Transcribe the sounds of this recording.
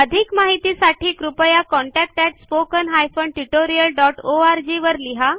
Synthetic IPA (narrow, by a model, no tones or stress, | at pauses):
əd̪ʱikmaɦit̪isaʈʰiːkɾupəjakɔɳʈæk̚ʈɛʈspokənɦajfoɳʈuʈoɾijəlɖɔʈoaɾd͡ʑiʋəɾliɦa